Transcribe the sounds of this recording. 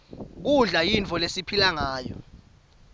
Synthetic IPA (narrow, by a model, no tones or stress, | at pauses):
k̬uɮajint͡fʰʼɔlesipʰilaŋaːjɔ̰